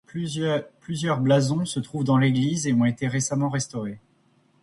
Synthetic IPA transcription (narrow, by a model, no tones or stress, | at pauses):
pplyzjœʁblazɔ̃sət̪χuvd̪ɑ̃leɡlizeɔ̃et̪eʁesamɑ̃ʁɛst̪ɔʁe